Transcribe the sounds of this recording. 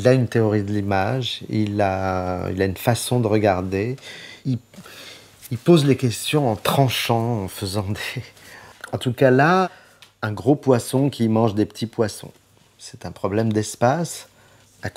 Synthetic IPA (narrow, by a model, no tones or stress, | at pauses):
ilaynt̪eɔʁid̪əlimaʒilaḭlaynfasɔ̃d̪əʁəɡaʁd̪ei | ilpozlekʲɛst̪jɔ̃ɑ̃t̪χɑ̃ʃɑ̃ɑ̃fəzɑ̃d̪e | ɑ̃t̪ukala | ɛ̃ɡʁopwasɔ̃kʲimɑ̃ʒd̪epə̥t̪ʰipwasɔ̰̃ | sɛ̥t̪ɛ̃pχɔblɛmd̪ɛspas | a